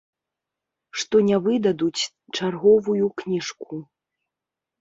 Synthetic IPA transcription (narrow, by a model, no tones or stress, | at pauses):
ʂt̪ɔnʲavɨd̪ɐd̪ut͡sʲ | t͡ʂarɣɔvujuknʲiʂku